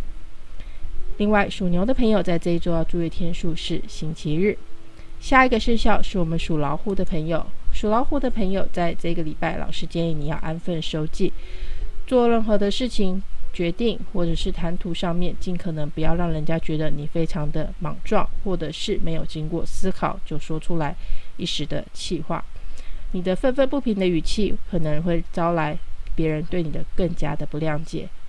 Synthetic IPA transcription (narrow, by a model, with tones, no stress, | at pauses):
li˥˧ŋwa˥˩ɪʂu˨˩njo˧˥ʊd̪ə˧pʰɤ˧˥ŋjo˨˩ʊt͡sa˥˧ɪʈ͡ʂɤ˥˧i˥˩t͡so˥˧ʊjɑ˥˧ʊʈ͡ʂu˥˧ɛ˥˩t̪ʰjɛ˥nʂu˥˧ʂɻ̩˥˩ɕi˥nt͡ɕʰi˧˥ɻɻ̩˥˩ | ɕja˥˩i˧˥ɡə˧ʂə˥˧ɕjɑ˥˧ʊʂɻ̩˥˩wɔ˨˩mə˦nʂu˨˩lɑ˧˥ʊxu˥˩d̪ə˨pʰɤ˧˥ŋjo˨˩ʊʂu˨˩lɑ˧˥ʊxu˥˩d̪ə˨˩pʰə˧˥ŋjo˨˩ʊt͡sa˥˧ɪʈ͡ʂɤ˥˩i˧ɡə˩li˨˩pa˥˩ɪlʔɑ̰˨˩ʊʂɻ̩˧˥t͡ɕjɛ˥n˧˩ni˨˩jɑ˥˩ʊʔa˥nfə˥˩nʂo˧˥ʊt͡ɕi˥˩t͡swɔ˥˧ɻə˥˩ŋxɤ˧˥d̪ə˧ʂɻ̩˥˩t͡ɕʰi˩ŋt͡ɕɥɛ˧˥t̪i˥˧ŋxwɔ˥˩ʈ͡ʂɤ˨˩ʂɻ̩˥˩t̪ʰa˧˥nt̪ʰu˧˥ʂɑ˥˧ŋmjɛ˥˨nt͡ɕi˥˩nkʰɤ˨˩nɤ˧˥ŋpu˧˥jɑ˥˧ʊɻɑ˥˩ŋɻə˧˥nt͡ɕja˥t͡ɕɥɛ˧˥d̪ə˧ni˨˩fe˥ɪʈ͡ʂʰɑ˧˥ŋd̪ə˧mɑ˨˩ŋʈ͡ʂwɑ˥˧˩ŋxwɔ˥˩ʈ͡ʂɤ˨˩ʂɻ̩˥˩me˧˥jo˨˩ʊt͡ɕi˥ŋkwɔ˥˩sɹ̩˥kʰɑ˨˩ʊt͡ɕjo˥˩ʊʂwɔ˥ʈ͡ʂʰu˥la˧˥ɪi˥˩ʂɻ̩˧˥d̪ə̰˧t͡ɕʰi˥˧xwa̰˥˩ni˨˩d̪ə˦fə˥˧nfə˥˧npu˥˩pʰi˧˥ŋd̪ə˧y˨˩t͡ɕʰi˥˩kʰɤ˨˩nɤ˧˥ŋxwe˥˩ɪt͡sɑ˥ʊla˧˥ɪpjɛ˧˥ɻə˧˦nt̪we˥˩ɪni˨˩d̪ə˦kə˥˩ŋt͡ɕja̰˥d̪ə˨pu˧˥ljɑ˧˥ŋt͡ɕjɛ̰˨˩˦